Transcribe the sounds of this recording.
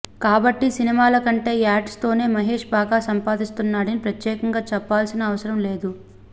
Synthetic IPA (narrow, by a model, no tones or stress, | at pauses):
kaːbɐʈːisinimaːlɐkɐɳʈe̞ːaːʈst̪o̞ːne̞ːmɐɦe̞ːʂbaːɡaːsɐmpaːd̪ist̪unːaːɽɐnipɾɐt̪jɛːkɐŋɡaːt͡ʃɛpːaːlsinɐːʋɐsɐɾɐmle̞ːd̪u